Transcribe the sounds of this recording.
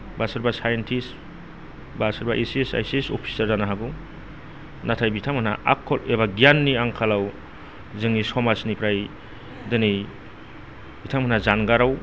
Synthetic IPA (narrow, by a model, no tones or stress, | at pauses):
basaɾbasajentʰis | basaɾbaʔesesa̰jsisɔ̰pʰi̥saɾdanaɦaɡu | natʰajbitʰaŋmana̰ʔa̰kʰːɔlebaɡijanːiaŋkʰalaw | zɯŋnisɔmasnipʰɾaj | dɯnɯj | bitʰamanazanɡaɾaw